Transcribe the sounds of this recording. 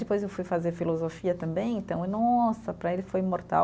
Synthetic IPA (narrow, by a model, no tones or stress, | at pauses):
d̪ɪpojzewfujfazeɾfilozofiɐt̪ɐ̃mbẽj̃ẽnt̪ɐ̃w̃ɛnɔsɐpɾɐelɪfojmoɾt̪a̰w